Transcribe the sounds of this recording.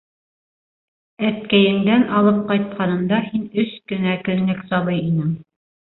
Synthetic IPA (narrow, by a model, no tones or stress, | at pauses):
æt̪̚kæjɘ̆ŋd̪ænɑlˠɤp̚qɑjt̪̚qɑnɤ̆md̪ɑhinɵskɵ̆nækɵ̆nlɘksɑβɤjinɘŋ